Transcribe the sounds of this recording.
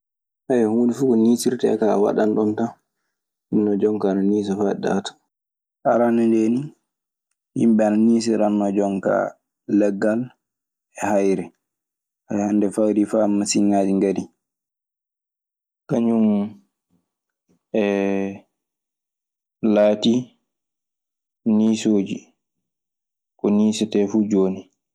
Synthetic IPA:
ʔajɛhnifuːkɔniːsiɾtɛɛ̰kawa̰ɗanɗɔnta | hinːɔd͡ʒɔŋkaːnaniːs̬ɛfaɛɗa̰tḁ | ʔaɾanɛndeni | hḭmɓɛananiːs̬iɾanːɔd͡ʒɔŋka̰ | lɛɡːal | ɛhajɾɛ | ahandɛfawɾifamːasiɲad͡ʒiŋɡadi | kaɲum | ɛ | laːti | niːsoːd͡ʒi | kɔniːsɛtɛfuːd͡ʒoːni

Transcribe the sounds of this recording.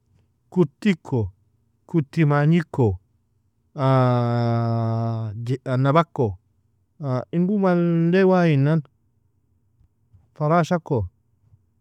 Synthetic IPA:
kutːikʰːo | kutːimaɲikːo | a | d͡ʒanabakːo | ainbumaldewajinːan | faɾaʃakːo

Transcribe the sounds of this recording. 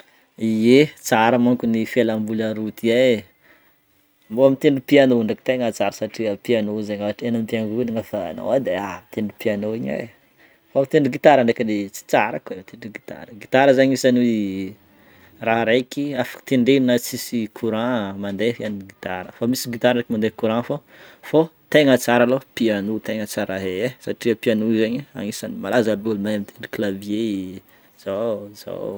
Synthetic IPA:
iet͡saɾamaŋkunifelambulaɾut̪ie | mboamint̪eɳɖ͡ʐupianouɳɖ͡ʐaki̥t̪eŋat͡saɾasaʈ͡ʂiəpianozaɲaʈ͡ʂenampiaŋɡuniŋafa̰no̰ad̪eamit̪eɳɖ͡ʐupianoiɲa̰j | faamit̪eɳɖ͡ʐuɡit̪aɾaɳɖ͡ʐekəlet͡si̥t͡saɾakemit̪eɳɖ͡ʐuɡit̪a̰ɾəɡit̪aɾəzaɲisan | raɾejkiafḁki̥t̪eɳɖ͡ʐeinət͡sisikʰuɾãmand̪eɦianɡit̪aɾəfamisiɡit̪aɾaɳɖ͡ʐekimand̪ekuɾãfo | fot̪eŋət͡saɾalopianut̪eŋət͡saɾaɦeesaʈ͡ʂiəpianuizaɲia̰ŋisanimalazabulumaamit̪ʰeɳɖ͡ʐi̥klavje | z̥aza̰

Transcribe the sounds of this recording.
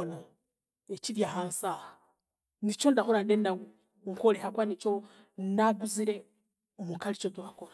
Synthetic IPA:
na | eciɾjaɦaːnsaːha | nit͡ʃondahoɾandeːnda | ŋkolehakwanit͡ʃo | naɡuziɾe̞ | omukalit͡ʃotuakoɾa

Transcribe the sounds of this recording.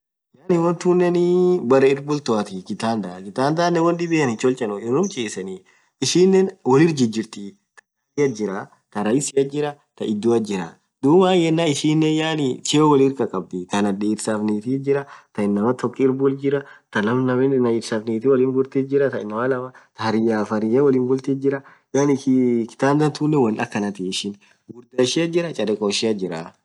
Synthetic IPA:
jaːnɪwɔnt̪uːnːɛnɪbɐɾɐɪɾbʊlt̪ɔɐt̪ɪkɪt̪aːnd̪akɪt̪aːnd̪aːnːɛwɔnɗɪbeɐnɪt͡ʃɔlt͡ʃʼɐnɔɪɾʊmt͡ʃʼeːsɐni | ɪʃiːnːenwɐlɪɾd͡ʒɪd͡ʒɪɾt̪ɪ | t̪ɐ̥ | ɪjɐd͡ʒɪɾa | t̪ɐɾɐjɪsɪɐd͡ʒɪɾɐ | t̪ɐʔɪd̪ːuɐd͡ʒɪɾɐ̰ | d̪uːmaːjɛnːaːɪʃiːnːɛjaːnɪt͡ʃewɐliɾkɐkʼɐb̚d̪ɪt̪ɐnɐdeɪɾsaːfneːt̪iːd͡ʒɪɾɐt̪ɐɪnːɐmɐt̪ɔkːɪɪɾbʊld͡ʒɪɾɐt̪ɐnɐmnɐmɛnɐɪɾsaːfneːt̪iwɐliːnbʊlt̪eːd͡ʒɪɾɐt̪ɐɪnːɐmɐlɐmɐt̪ɐhɐɾɪjaːfɐɾɪjawɐliːnbʊlt̪eːd͡ʒɪɾɐ | jaːnɪkɪ̥t̪aːnd̪ɐt̪uːnːɛwɐnɐkːɐnɐt̪eʃɪn | ɡʊɾd̪ɐʃɪɐd͡ʒɪɾɐt͡ʃʼɐɾɛkʼoːʃɪɐd͡ʒɪɾa

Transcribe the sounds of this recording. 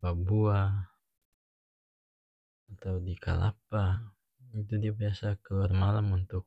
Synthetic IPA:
babua | at̪awdika̰la̰p̚a | it̪udiabiasakəluarmalamunt̪ʊk̚

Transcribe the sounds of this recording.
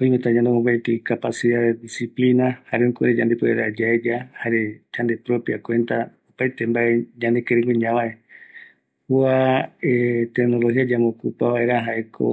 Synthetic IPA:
oĩmẽt̪aɲand̪emõmbaet̪ikapasiðaðd̪isiplinahaɾeokʷuɾed͡ʒand̪epoeɾad͡ʒaed͡ʒahaɾe̞d͡ʒand̪epɾo̞pjakwẽ̞nt̪aopajt̪embae̞ɲãnd̪ekeɾeŋɡeɲãβae | huaet̪eknolohiad͡ʒamokupaβaʔe̞ɾaɦaekʰo̰

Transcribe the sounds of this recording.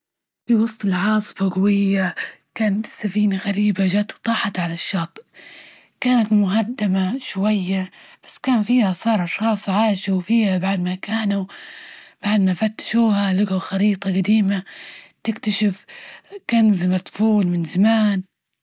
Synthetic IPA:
fiwɑsˤt̪ˤɪlʕɑːsˤɨ̥faɡʊwɪjːakaːnt̪sːafiːnaɣaɾiːbaʒat̪t̪ˤɑːħɑt̪ʕalaʃːɑːt̪ˤ | kaːnat̪mʊɦad̪ːamaʃwajːab̥ḁsːkaːnfiːhasˤɑːɾˤɑˤxɑːsˤʕaːʃawfiːhabaʕd̪makaːnu | b̥aʕd̪mafat̪ːḁʃuːhalʊɡaxɑɾiːt̪ˤɑɡad̪iːmat̪ɪkt̪aʃɪfkanzɪmat̪ˤfuːlmɪnzamaːn

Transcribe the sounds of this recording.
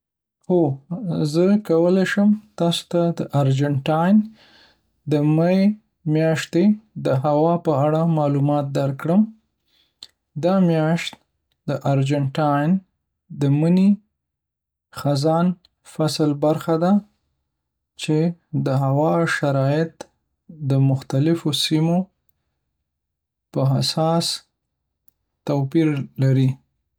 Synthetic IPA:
xozəkawəlaʃəmt̪ɑso̥t̪ad̪əʔaɑɾd͡ʒaɳʈɑjn | d̪əmaj | mjɑʃt̪ed̪əɦawɑpəaɽamɑlumɑt̪̚d̪aɾkɽəm | d̪ɑmjɑʃt̪ | d̪əʔaɾd͡ʒaɳʈɑjn | d̪əməni | xazɑn | fasəlbaɾxad̪a | t͡ʃed̪əɦawɑʃaɾɑjɪt̪ | d̪əmʊxt̪alɪfosimo | pəɦasɑs | t̪apiɾlaɾi

